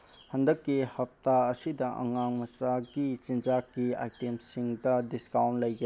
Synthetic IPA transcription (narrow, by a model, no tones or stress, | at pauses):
hɐndɐkːihɐp̚taɐsidɐʔɐ̰ŋaŋmɐsaɡit͡ʃind͡ʒakːia̰jtemsiŋdɐdiskawntlɐjɡe